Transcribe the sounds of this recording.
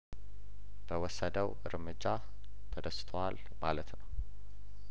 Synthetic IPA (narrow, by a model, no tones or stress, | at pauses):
b̥əwɔsːəd̪əwɨ̰ɾmɨd͡ʒːa | t̪ʰəd̪əst̪ʰəwal | malət̪nəw